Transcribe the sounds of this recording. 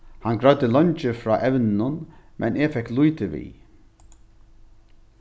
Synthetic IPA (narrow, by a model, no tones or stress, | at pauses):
hanɡɾœɥt̪əlɔnt͡ʃəfɾɔːʔɛʋnnʊnmʔɛ̰neːfɛkːlujt̪ɪʋḭː